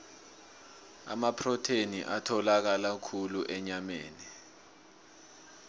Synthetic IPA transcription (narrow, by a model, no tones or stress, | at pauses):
a̰mapʰrɔtʰenḭʔatʰɔlak̬alakʰuluʔɛɲameːni